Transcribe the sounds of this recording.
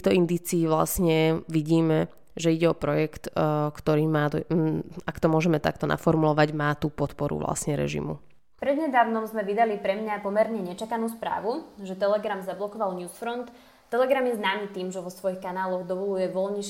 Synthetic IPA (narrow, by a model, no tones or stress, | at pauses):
t̪ixt̪ɔind̪iːt͡siːʋla̰sɲɛʋiɟiːmɛ | ʒɛiɟɛɔpɾɔjɛkt̪kt̪ɔɾiːmaːt̪akt̪ɔmʊɔʒɛmɛt̪a̰kt̪ɔna̰fɔɾmulɔʋaɟmaːt̪upɔt̪pɔɾṵʋla̰sɲɛɾɛ̰ʒḭmṵ | pɾɛd̪ɲɛd̪aːʋnɔmzmɛʋid̪alipɾɛmɲapɔmɛɾɲɛɲɛt͡ʃakanuːspɾa̰ːʋuʒɛt̪ɛlɛɡɾamzablɔkɔʋalɲuːsfɾɔnt̪ | t̪ːɛlɛɡɾamjɛznaːmiːt̪iːmʒɛʋɔsʋɔjixkanaːlɔɣd̪ɔʋɔlujɛʋɔlɲɛʃ